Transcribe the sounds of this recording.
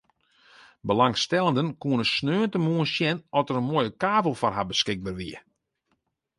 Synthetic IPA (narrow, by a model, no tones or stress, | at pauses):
bəlaŋstɛlˠəndənkuənəsnøːəntəmuənsjɛnɔsəɾənmoːjəkaːvəlˠfɔrɦabəskɪɡ̚barʋiə